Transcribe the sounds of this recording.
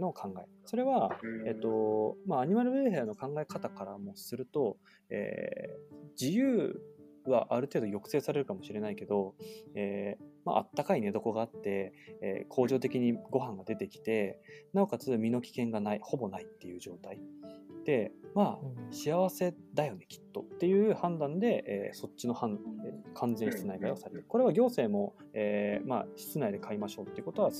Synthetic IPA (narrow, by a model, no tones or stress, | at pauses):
no̞kʰãŋɡaḛso̞ɾe̞βae̞t̪ːo̞maːɲ̟imaɾɯ̟beɦeano̞kãŋɡae̞kat̪akaɾamo̞sɨɾɯ̟t̪o̞ | e̞̰ː | d͡ʑijɯː | βaʔaɾɯ̟t̪eːd̪ojo̞kɯ̟̥e̞ːsaɾe̞ɾɯ̟kamo̞ɕiɾe̞naike̞d̪o̞eːma̰ʔa̰t̪ːakaine̞d̪o̞ko̞ɡaːt̪ːe̞̰ːkʰo̞ːʑo̞ːt̪e̞kʲiɲ̟iɡo̞ɦãŋɡad̪e̞t̪e̞kʲi̥t̪e̞naokat͡sɨmʲino̞kʲi̥kẽ̞ŋɡanaiho̞bo̞nait̪ːe̞jɯ̟ːd͡ʑo̞ːt̪aid̪̥e̞maːɕiaβ̞ase̞d̪ajo̞ne̞kʲi̥t̪ːo̞t̪ːe̞jɯ̟ːhãnd̪ãnd̪e̞ʔḛːso̞t͡ɕːɕino̞hãnkʰãnd͡zẽ̞ɕi̥t͡sɨnaiɡaio̞saɾet̪ei̥koɾe̞βaɡʲo̞ːse̞ːmo̞ | eːma̰ɕi̥t͡sɨnaid̪e̞kʰaimaɕo̞ːt̪ːe̞iɯ̟kot̪o̞βa